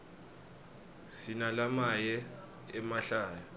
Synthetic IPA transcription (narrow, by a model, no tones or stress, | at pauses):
sinalamajɛ | ɛmaɬaːjɔ